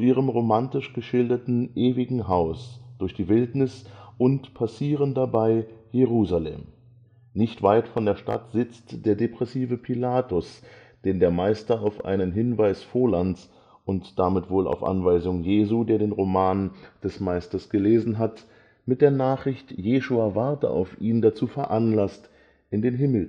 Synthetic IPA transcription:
ʔiːʁ̞əmʁomantɪʃɡ̥əʃɪldɐtn̩ʔeːvɪɡŋ̩ɦaʊsd̥ʊɐçd̥iːvɪltnɪsʔʊntpʰasiːʁəndabaɪjeʁ̞uːzalɛ̰m | nɪçtv̥aɪtfɔndeːɐʃta̰tz̥ɪt͡std̥eːɐdepʁ̥ɛsiːvəpʰilaːtʊs | d̥eːndeːɐmaɪstɐaʊfʔa̰ɪnənɦɪnvaɪsfoːɐlans | ʔʊntd̥amɪtv̥oːla̰ʊfʔa̰nvaɪzʊŋjeːzuːdeːɐdeːnʁomaːnd̥ɛsmaɪstɐsɡ̥əleːzn̩ɦat | mɪt̚d̥eːɐnaːχʁ̥ɪçtjeːʃuaːvaɐtə̰ʔa̰ʊfʔiːndat͡suːfɛɐʔanlast | ʔɪndeːnɦɪml̩

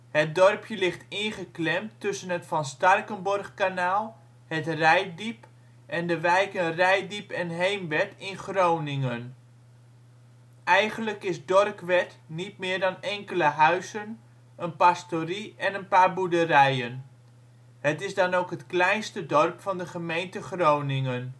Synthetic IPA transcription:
hət̚dɔrpʰjəlɪχtɪnχəklɛmtːɵsənɦətfɑnstɑrkənbɔrχkanaːlˠ | hətrɛjdip | ʔɛndəʋɛjkənrɛjdipɛnɦejmʋɛtɪnχrownɪŋən | ʔɛjχənləkɪsdɔrkʋɛtnit̚mɪːɹdɑnɛŋkələɦœɥzən | ənpastoriɛnənpaːɹbudərɛjən | hətɪzdɑnowkɦətklɛjnstədɔrpfɑndəχəmejntəχrownɪŋən

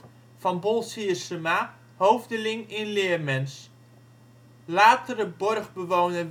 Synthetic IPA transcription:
fɔnbolˠsiəsəma | howvdəlɪŋɪnlɪːərmɛns | laːtərəbɔrɣbəʋoːnə

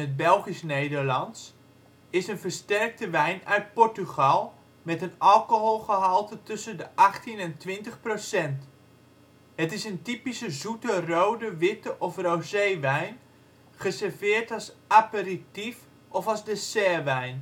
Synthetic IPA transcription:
ət̚bɛlˠχisnejdərlɑns | ɪsənfərstɛrk̚təʋɛjnœɥt̚pɔɹtyχɑlˠ | mɛtənɑlˠkoɦolˠχəɦɑlˠtətɵsəndəʔɑχtinɛntʋɪntəχprosɛnt | hətɪsəntipisəzutərowdəʋɪtəʔɔfrowsejʋɛjn | χəsɛrvɪːrtɑlˠsʔapəritif | ɔfɑlˠzdəsɛːʋɛjn

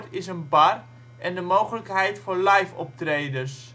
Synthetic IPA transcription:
tɪsənbar | ʔɛndəmowχələkɦɛjtfʊːɹlajfɔ̰p̚trejdərs

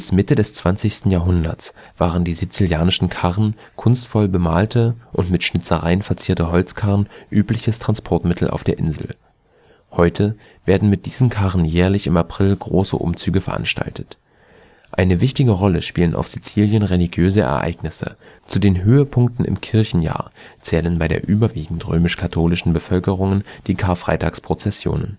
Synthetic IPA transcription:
ɪsmɪtədɛst͡sv̥ant͡sɪçstn̩jaːɦʊndɐ̰t͡s | v̥aːʁ̞əndiːzit͡siljaːnɪʃn̩kʰaʁən | kʰʊnstfɔlbəmaːltʰəʔʊntmɪtʃnɪt͡səʁaɪənfɛɐt͡siːɐtəɦɔlt͡skʰaʁnʔyːplɪçəstʁ̥anspʰɔɐtmɪtʰl̩ʔa̰ʊfd̥eːɐʔɪ̰nzl̩ | hɔʏtʰə | v̥eːɐdn̩mɪt̚d̥iːzn̩kʰaʁn̩jɛːɐlɪçɪmapʁ̥ɪlɡʁoːsə̰ʔʊ̰mt͡syːɡəfɛɐʔa̰nʃta̰ltʰə̥t | ʔaɪnəvɪçtɪɡəʁɔləʃpiːlənʔa̰ʊfz̥it͡siːljənʁeliɡjøːzəɛ̰ɐʔa̰ɪɡnɪsə̰t͡sudeːnɦøːəpʰʊŋk̚tn̩ɪ̰mkʰɪɐçn̩ja̰ːɐt͡sɛːlənbaɪɾḛːɐʔyːbɐviːɡŋ̩tʁøːmɪʃkʰatʰoːlɪʃn̩bəfœlkəʁ̞ʊŋənd̥iːkʰaːɐfʁ̥a̰ɪtaːkspʁ̥ot͡sɛsjo̰ːnə̰n

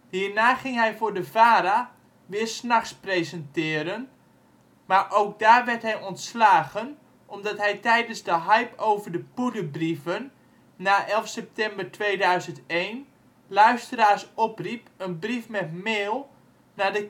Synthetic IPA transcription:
hiːrnaːχɪŋɦɛjfʊːɹdəvaːɾa | ʋɪːərsnaxsprejzəntɪːɾən | maɹʔowk̚daːrʋɛrtɦɛjɔntslaːɣən | ʔɔmdɑtɦɛjtɛjdənzdəɦajpʰowvərdəpudəbrivənː | aːʔɛlˠfsɛp̚tɛmbərtʋeːdœɥzəntejn | lœɥstəɾaːrsɔpripənbrifmɛtmeːlˠ | nadə

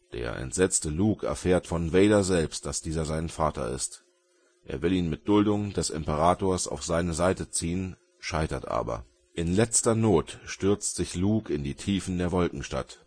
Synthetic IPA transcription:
d̥ḛːɐʔɛ̰ntz̥ɛt͡stəluːkʰɛ̰ɐfeːɐtfɔnveːdɐzɛlpst̚d̥asd̥iːzɐzaɪnənfaːtɐ̰ɪ̰st | ʔḛːɐvɪliːnmɪt̚d̥ʊldʊŋdɛsɪ̰mpəʁaːtoːɐsa̰ʊfz̥aɪnəzaɪtət͡siːən | ʃaɪtɐtʔa̰ːbɐ̰ | ʔɪnlɛt͡stɐnoːtʃtʏɐt͡stz̥ɪçluːkʰɪndiːtʰiːfn̩deːɐvɔlkŋ̩ʃta̰t

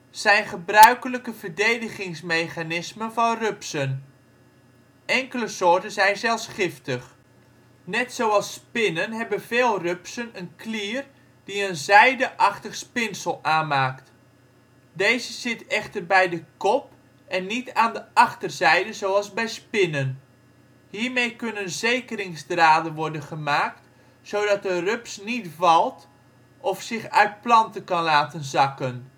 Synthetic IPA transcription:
sɛjnχəbrœɥkələkəvərdejdəɣɪŋsmejχanɪsmənvɔnrøpsən | ɛŋkələsʊːɹtənzɛjnzɛlˠsχɪftəχ | nɛtsowɑlˠspɪnənɦɛbənveːlˠrøpsənənkliər | d̥iənzɛjdəʔɑχtəχspɪnsəlˠaːnmaːkt | dejzəz̥ɪtɛxtərbɛjdəkɔp | ɛnːitaːndəɑχtərzɛjdəzoːɑlˠzbɛjspɪnən | hiːrmejkønənzejkəɾɪŋzdraːdənʋɔrdənχəmaːkt | sowdɑt̚dərøpsnitvɑlˠt | ʔɔfsɪxœɥt̚plɑntəkɑnlaːtənzɑkən

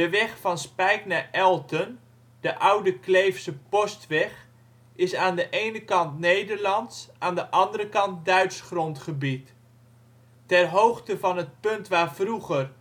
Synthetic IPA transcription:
dəʋɛχfɑnspɛjknaːʔɛlˠtən | d̥əʔʌwdəklejfsəpɔstʋɛχ | ɪsaːndəʔejnəkɑntnejdəɹlɑntsʔaːndəʔɑndəɾəkɑnt̚dœɥtsχrɔntχəbit | ɛrɦowχtəvɑnɦət̚pɵntʋaːɹvruχər

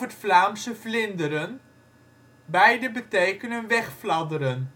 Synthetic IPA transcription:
ətflaːmsəvlɪndəɾən | bɛjdəbətejkənənʋɛχflɑdəɾən

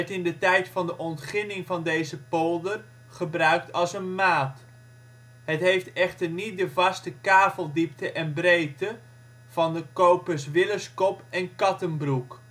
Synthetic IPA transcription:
ɛtɪndətɛjtfɑndəʔɔntχɪnɪŋvɑndejzəpolˠdər | χəbrœɥk̚tɑlˠsənmaːt | ɦətɦejftɛχtərnit̚dəvɑstəkaːvəlˠdip̚təʔɛnbrejtə | v̥ɑndəkowpəsʋɪləskɔpɛnkɑtənbruk

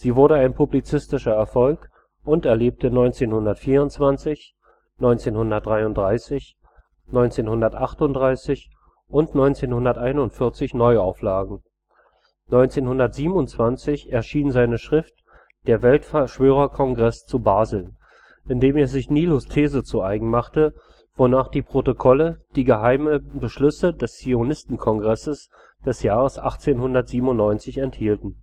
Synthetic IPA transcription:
z̥iːvʊɐɾəaɪnpʰublit͡sɪstɪʃɐɛɐfɔlk | ʔʊntɛɐleːp̚tənɔʏnt͡seːnhʊndɐtfiːɐʊntt͡sv̥ant͡sɪç | nɔʏnt͡seːnhʊndɐt̚d̥ʁaɪʊntd̥ʁaɪsɪç | nɔʏnt͡seːnhʊndɐtʔaχtʊntd̥ʁaɪsɪç | ʔʊntnɔʏnt͡seːnhʊndɐtʔaɪnʊntfɪɐt͡sɪçnɔʏaʊflaːɡŋ̩ | nɔʏnt͡seːnhʊndɐtz̥iːbmʊntt͡sv̥ant͡sɪçɛɐʃiːnzaɪnəʃʁ̥ɪft | d̥eːɐvɛltfʃv̥øːʁ̞ɐkʰɔŋɡʁɛst͡subaːzl̩ | ʔɪndeːmeːɐzɪçniːlostʰeːzət͡suʔaɪɡŋ̩maχtə | v̥onaːχd̥iːpʁ̥otokʰɔləd̥iːɡəɦaɪməbəʃlʏsədɛst͡sionɪstn̩kʰɔŋɡʁɛsəs | d̥ɛsjaːʁəsʔaχt͡seːnhʊndɐtz̥iːbm̩ʊnːɔʏnt͡sɪçɛnthiːltn̩

